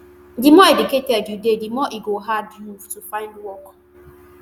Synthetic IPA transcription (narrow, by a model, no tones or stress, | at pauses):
dimɔediketɛdudedimɔʔiɡoɦaduftufaɪndwɔk